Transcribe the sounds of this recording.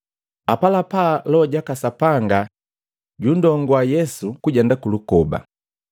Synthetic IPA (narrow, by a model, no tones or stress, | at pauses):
apalapalɔɟakasapaŋɡa | ɟundɔŋɡɔajɛsukuɟɛndakulukɔba̰